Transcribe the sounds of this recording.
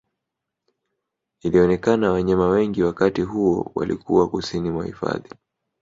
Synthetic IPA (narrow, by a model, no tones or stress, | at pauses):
iliɔnɛkanawaɲamawɛŋɡiwakatiɦuɔwa̰lḭkʰuwakusinimwa̰hḭfa̰ði